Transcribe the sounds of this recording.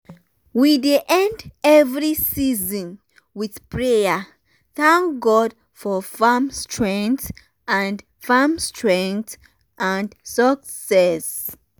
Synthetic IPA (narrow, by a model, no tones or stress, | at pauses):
wideʔɛ̃ndɛvɹisizɔ̃n | wiθpɹeja | θãŋkɡɔd | fɔfamstʰɹɛ̃ŋθ | ʔãnd | famstʰɹɛ̃ŋkt | ʔãndsəksɛs